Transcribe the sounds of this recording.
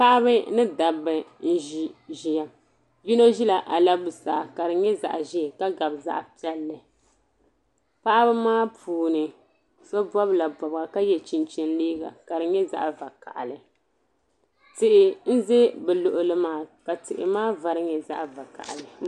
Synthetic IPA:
pa˦ʔa˦bɨ˦nɨ˦da˨bɨ˦n̩˦ʒi˦ʒi˦ja˨ | ji˦no˦ʒi˦la˨ʔa˨la˦bu˨sa˨ka˨dɨ˨ɲɛ˦za̰˨ʔʒi˦˨ka˦ɡa˨bza̰˦ʔpɛ˦lːɨ˨ | pa˦ʔa˦bɨ˦maː˦pʰuː˨nɨ˨ | sɔ˦bɔ˦bla˨bɔ˨ba˨ka˦jɛ˨t͡ʃi˨nt͡ʃi˦n˦liː˦ɡa̰˨ka˨ɾɨ˨ɲɛ˦za̰˦ʔva˨ka̰˨ʔlɨ˨ | tɪ˨ʔɪ˨n̩˦ze˦bɛ˨lʊ˨ʔʊ˦lɨ˦maː˦˨ka˨tɨ˨ʔɪ̰˨maː˦va˨ɾɨ˦ɲɛ˨za̰˦ʔva˨ka̰˨ʔlɨ˨

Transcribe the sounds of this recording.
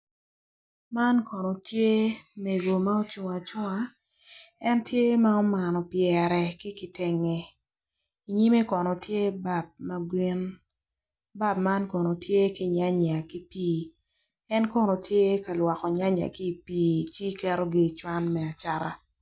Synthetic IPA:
ma˦nkɔ˨no˨tje˦me˨ɡo˨ma˦o˦t͡ʃu˨ŋa˨t͡ʃɔ˦a˨ | ɛ˦ntje˦ma˦ɔ˦ma˨nɔ˨pjɛ˨ɾɛ˨kɪ˦kɪ˨te˦ŋe˨ | i˨ɲi˦me˦kɔ˨nɔ˨tje˦ba˨b̚ma˦ɡwi˦n | ba˦bma˦nkɔ˨no˨tʰje˦kɪ˨ɲa˦ɲa˨ki˦piː˦ | ɛ˦nkɔ˦no˨tʰje˦ka˨lwa˨kɔ˨ɲa˦ɲa̰˨ki˦˨piː˦t͡ʃi˦kɛ˦ɾo˦ɡi˦˨t͡ʃwa˦nmɛ˨a˨t͡ʃa˦˨ɾa̰˨

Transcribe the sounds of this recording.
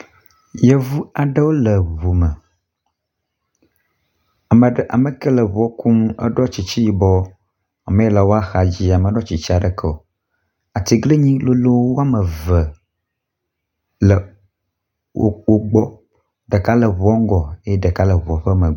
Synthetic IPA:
jə˦vu˦a˨ɖə˦wo˦lə˨βu˨mə˨ | a˨mə˨˦ʔa̰˨mə˨kə˦lə˨βɔ˦ku˦m˦ə̰˦ɖɔ˦t͡ɕi˨t͡ɕi˦ji˨bɔ˦ | a˨mə̃˦jɛ˦lə˨wo˦a˦xa˨d͡ʑi˦a˨mə̃˨ɖɔ˦t͡ɕi˨t͡ɕi˦a˨ɖə˨kʰə˦o˨ | a˨t̪i˨ɡle˦ɲĩ˦lo˦lo˦wo˦wo˦a˦mə˨və˨ | lə˨ | wo̰˦k͡po˦ɡ͡bɔ˦ | ɖə˨ka˦lə˨βu˨ɔ˦ŋ˦ɡɔ˨e˦e˦ɖə˨ka˦lə˨βu˨ɔ˨ɸə˦mə˨

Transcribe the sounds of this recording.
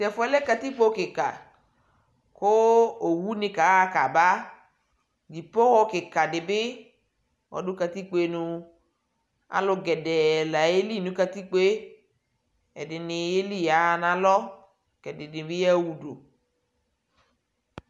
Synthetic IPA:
sɛ˨fʊ˦ɛ˦lɛ˦ka˧t̪i˦k͡po˦kɪ˨ka˨ | kʊ˦o˨wu˦nɪ̃˦ka˨˦a˦ka˨ba˦ | d͡ʒi˨po˦wɔ˦kɪ˨ka˨dɪ˨bɪ˦ | wɔ̰˨dʊ˦ka˧ti˦k͡pe˦nũ˧ | a̰˨˦lʊ˧ɡɛ˨dɛ˨la˨je˦li˦˨nũ˨˦ka˧ti˦k͡pe˦ | ɛ̰˨dɪ˨nɪ˨je˦li˦˨ja˨˦˨na˨lɔ˦ | kɛ˨dɪ˨dɪ˨bɪ˦ja˦˨wu˨do˨

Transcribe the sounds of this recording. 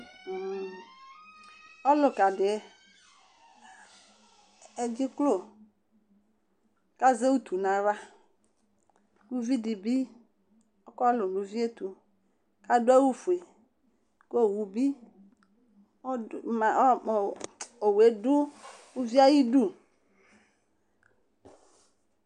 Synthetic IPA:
ɔ˦lʊ˨ka˨dɪ˨˦ | e˦d͡ʒɪ˦klo˦˨ | ka˦ze˦wu˦t̪u˨nã˨va˦ | lu˦vi˦di˨bi˦ | o˦kɔ˦lʊ˨nũ˨vi˦e˦t̪u˨ | ka˦dʊ˦e˦wu˦fu˨e˨ | ko˦˨wu˨bi˦˨ | ma˨˦˨o˨we˦dʊ˦wu˦vi˦a˦ji˦du˦

